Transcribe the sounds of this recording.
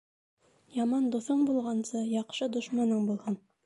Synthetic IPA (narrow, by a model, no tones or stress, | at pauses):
jɑmɑnd̪uθɤɴbulˠʁɑnsɤjɑqʃɤd̪ŏʃmɑnɤɴbulˠhɤn